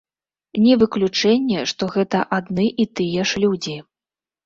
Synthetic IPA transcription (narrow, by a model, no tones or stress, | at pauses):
nʲɛvɨklʲut͡ʂɛnʲːɛʂt̪ɔɣɛt̪ɐʔad̪nɨʔit̪ɨjɛʂlʲud͡zʲi